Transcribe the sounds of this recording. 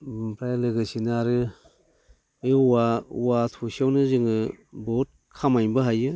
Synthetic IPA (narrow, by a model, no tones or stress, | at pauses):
pʰɾajlɯɡɯsinɯaɾɯ | ɯauwatʰusiawnɯzɯŋɯbot̚ | kʰamajbɯɦajɯ